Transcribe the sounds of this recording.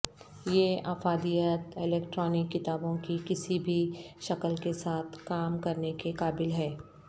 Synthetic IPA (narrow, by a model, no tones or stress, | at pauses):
jeaːfaːd̪ijət̪ɪleːkʈɾɔːnɪkːɪt̪aːbõkikɪsibʱiʃɐkəlkesaːt̪ʰkaːmkɐɾnekekaːbɪlɦɛː